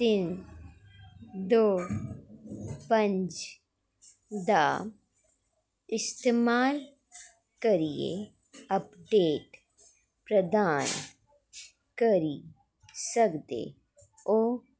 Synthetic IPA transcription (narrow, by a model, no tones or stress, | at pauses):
t̪ɪn | d̪oː | pə̃ɲd͡ʒ | d̪a | ɪst̪eːmaːl | kəɾijḛ | ɐpɖeːʈ | pɾəd̪aːn | kəɾi | səkd̪ḛ | oː